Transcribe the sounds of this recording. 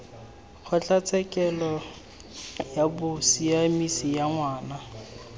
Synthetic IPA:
χʊt͡ɬʼat͡sʰɛkʼɛlɔ | jabʊsiamisijaŋwaːna

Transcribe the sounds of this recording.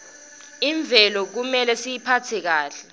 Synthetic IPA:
iɱb̪vʱɛlɔk̬umɛlɛsijipʰatʰɛk̬aːɬɛ

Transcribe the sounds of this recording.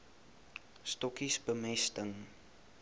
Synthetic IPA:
stɔkisbəmɛstəŋ

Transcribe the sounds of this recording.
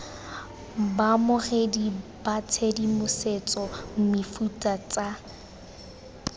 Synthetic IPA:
bamʊχedib̥at͡sʰedimʊset͡sʼɔm̩mɪfutʼat͡sʼa

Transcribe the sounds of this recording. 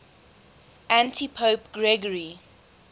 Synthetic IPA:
ʔæ̃ntʰipʰoʊpɡɹɛɡəɹi

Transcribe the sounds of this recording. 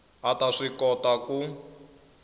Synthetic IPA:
ataʂikɔtaku

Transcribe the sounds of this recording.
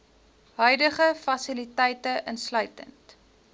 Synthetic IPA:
ɦœɥdəχəfɐsilitɛjtəʔənslœɥtə̰nt

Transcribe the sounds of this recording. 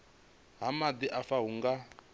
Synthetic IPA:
ɦamad̪iʔafaɦuŋɡa

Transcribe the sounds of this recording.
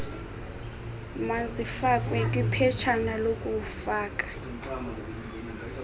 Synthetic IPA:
mazifakʼwɛkʼwipʰɛt͡ʃʰanalokʼufaːkʼḁ

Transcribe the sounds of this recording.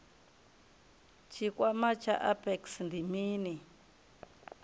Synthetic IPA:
t͡ʃikʷamat͡ʃa̰ʔapeksnd̪imini

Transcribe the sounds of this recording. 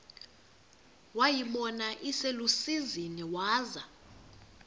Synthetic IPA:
wajiɓɔnaʔiselusiziniwaːza

